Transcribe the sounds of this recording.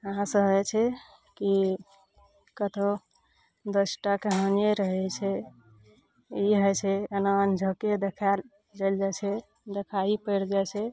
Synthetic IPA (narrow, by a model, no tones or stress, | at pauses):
ɦãsəɦɛt͡ʃʰɛ | ki | kət̪ʰo | d̪əsʈakeɦəneɾəɦɛt͡ʃʰɛ | iɦət͡ʃʰɛənaənd͡ʒʱəked̪ekʰal | d͡ʒald͡ʒat͡ʃʰɛ | d̪ekʰaipəɾd͡ʒat͡ʃʰɛ